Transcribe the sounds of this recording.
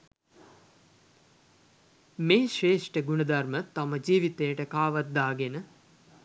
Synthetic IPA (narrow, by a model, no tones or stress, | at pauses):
meːʃeːʂʈəɡunəd̪armət̪aməd͡ʒiːʋit̪ejəʈəkaːʋat̪̚d̪aːɡenə